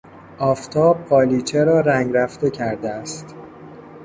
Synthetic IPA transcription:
ʔɒːft̪ʰɒːb̚ɢɒːliːt͡ʃʰeɾɒːɾæŋɡɾæft̪e̞cʰæɾd̪eæst̪

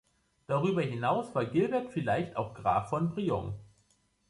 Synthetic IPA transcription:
d̥aʁyːbɐɦɪnaʊsv̥aːɐɡɪlbɛɐtfɪlaɪçtʰa̰ʊxɡ̥ʁa̰ːfːɔnbʁiɔ̰ŋ

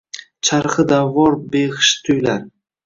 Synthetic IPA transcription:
t͡ʃʰaɾχɨd̪avːɒɾbeʁɪʃt̪ʰʊjlaɾ

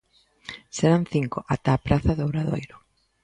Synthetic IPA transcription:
seɾanθiŋkʊʔat̪aːpɾaθaðowɾaðojɾʊ

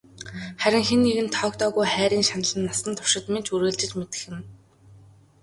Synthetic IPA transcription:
χæɾʲɪ̆ŋxenːiɣɘ̆nt̪ʰɔːkt̪ɔːɣujχæːɾiːŋʃanə̆ɮə̆nːasə̆nt̪ʰʊ̥ʃɪ̆t̪ment͡ɕuɾɘ̆ɮt͡ɕɪ̆t͡ɕmet̪ɘ̥̆xɘ̆n

